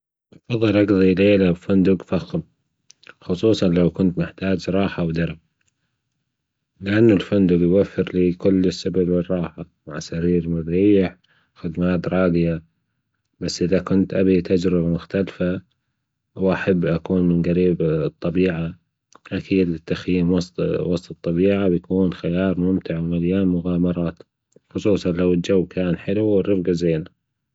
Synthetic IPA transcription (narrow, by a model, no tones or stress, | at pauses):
ʔɑfɑðˤːɨlʔɑɡðˤileːlabfʊnd̪ʊɡfaxm | xʊsˤuːsˤɑnlawkʊnt̪mɪħt̪aːd͡ʒɾˤɑːħawd̪ɑɾˤab | lɪʔanːʊlfʊnd̪ʊɡjwafːɪɾliːkʊlːɪsːabalwɪrˤːɑːħa | maʕsaɾiːɾmɪðɾiːħ | xɪd̪maːt̪ɾˤɑːɡɪja | basːʔɪðakʊnt̪ʔabit̪ad͡ʒɾɪbamʊxt̪alfa | wʔaħabːʔakuːnmɪnɡaɾiːbt̪ˤːɑbiːʕa | ʔakʰiːd̪ɪt̪ːaxjiːmwɑsˤt̪wɑsˤt̪ˤɨt̪ˤːɑbiːʕawjakuːnxɪjɑːɾˤmʊmt̪ɪʕwmaljaːmʊɣaːmɑɾˤɑːt̪ | xʊsˤuːsˤɑnlawɪld͡ʒawːkʰaːnħɪluɪrːɪfɡazeːna